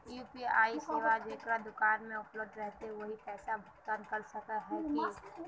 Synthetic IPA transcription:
jupiaːiseːʋad͡ʒeːkɾad̪ʊkaːnmẽʊpləb̚d̪ɾɛɦt̪eʋəɦipɛːsabʱʊkt̪ənkəɾsəkəɦɛ̃ki

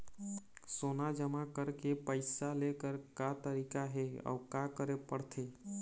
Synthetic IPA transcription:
sonad͡ʒəmakəɾkepəɪsalekəɾkat̪əɾikaɦeɔ̰ʊkakəɾepəɽt̪ʰe

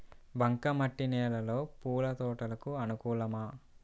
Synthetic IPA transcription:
bʱɐŋkɐmɐʈːinɛːlɐlo̞ːpuːlɐt̪ɔːʈɐlɐkuɐnukuːlɐmɐ

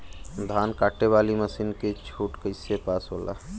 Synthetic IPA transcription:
d̪ʱankaʈeβaliməsinket͡ʃʰuʈkəɪsepasɦola̰

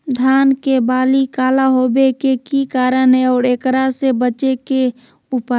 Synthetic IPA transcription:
d̪ʱjaːnkebaːlikaːlaɦobekekikaːɾənɦɛɔːɾeːkɾasebət͡ʃeke | ʊpa

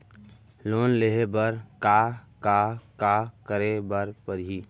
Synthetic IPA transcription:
loːnleɦebəɾkakakakəɾebəɾpəɾɦiː

